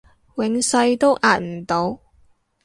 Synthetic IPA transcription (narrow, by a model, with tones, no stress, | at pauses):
wɪ˨˧ŋsɐ˧jt̪o˥wʔaː˨nm̩˨˩t̪o˨˧w